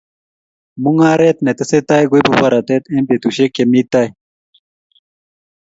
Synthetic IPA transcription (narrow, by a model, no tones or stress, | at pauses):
muŋaːɾeːt̪net̪ɐset̪aːjɡoibupɐɾat̪eːt̪ẽːmpet̪uɕekemiːt̪aːj